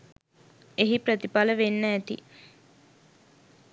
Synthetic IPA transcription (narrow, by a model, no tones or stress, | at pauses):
eɦipɾət̪ipaləʋenːəːt̪ḭ